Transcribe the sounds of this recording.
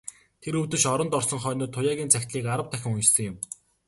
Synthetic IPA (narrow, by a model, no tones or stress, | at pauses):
t̪ʰeɾɵwt̪ɵ̆ʃɔɾɞ̆nt̪ɔrsɞ̆ŋχœːnʊːt̪ʰːʊjaːɣʲiːnt͡sʰækʲt̪ɮiːkaɾə̆w̚t̪ʰæxʲɪ̆ŋʊjt͡ɕsɞ̆ŋjʊ̆m